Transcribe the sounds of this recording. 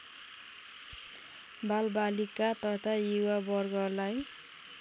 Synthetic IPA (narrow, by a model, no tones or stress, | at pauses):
balbalikat̪ʌt̪ʰajiwabʌrɡʌlaj